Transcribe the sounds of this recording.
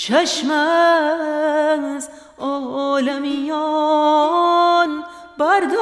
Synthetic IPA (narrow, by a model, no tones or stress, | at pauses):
t͡ʃʰaʃma | ŋz | ɔlamijɔ | n | baɾd̪ɔ